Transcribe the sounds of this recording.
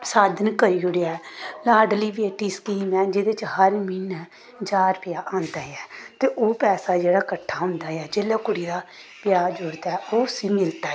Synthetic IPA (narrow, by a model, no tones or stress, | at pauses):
saːd̪ənkəɾiːʊɽeɛːlaːɖliːʋeːʈiːskiːmɛːd͡ʒɪd̪eːt͡ʃhəɾmiːnɛ | d͡ʒaːɾpɪjaːʔãːnd̪aːjɛːt̪eːʔoːpɛːsaːd͡ʒeːɽaːkəʈʰːaːɦʊ̃ːnd̪aːɛːd͡ʒeːlaːkʊɽiːɾaː | pɪjaːd͡ʒʊɾt̪ɛːoːsiːmɪlt̪aː